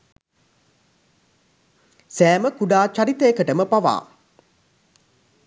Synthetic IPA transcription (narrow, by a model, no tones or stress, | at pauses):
sæːməkuɖaːt͡ʃaɾit̪əekəʈəməpaʋa̰ː